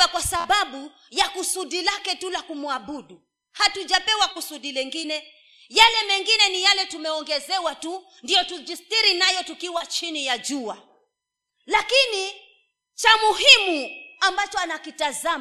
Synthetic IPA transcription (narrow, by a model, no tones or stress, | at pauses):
akwasaɓaɓu | jakusuɗilakɛtulakumuaɓuɗu | hatuʄapɛwakusuɗilɛŋɡinɛ | jalɛmɛŋɡinɛnijalɛtumɛɔŋɡɛzɛwatu | ndijɔtud͡ʒistiɾinajɔtukiwat͡ʃinijad͡ʒua | lakini | t͡ʃamuɦimuambat͡ʃɔanakitaza